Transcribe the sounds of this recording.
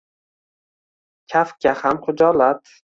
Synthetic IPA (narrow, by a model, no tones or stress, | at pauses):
kʲʰafkʲahamχʊd͡ʒɒlat̪